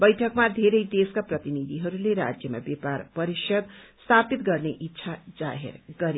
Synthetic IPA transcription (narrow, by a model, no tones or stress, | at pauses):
bʌjʈʰʌkmad̪ʱeɾʌjd̪eskaprʌt̪inid̪ʱiɦʌɾuleɾa̰d͡zjʌma̰bjeparpʌɾisʌd̪st̪ʰapit̪ɡʌrneʔit̪ːsʰad͡za̰ɦḛrɡʌɾe